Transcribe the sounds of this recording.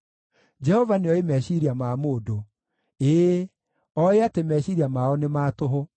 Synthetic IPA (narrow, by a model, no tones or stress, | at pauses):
d͡ʒɛhɔvaneɔemɛɕiɾiamamoːdo | eː | ɔeatemɛɕiɾiamaɔnemaːtoɦo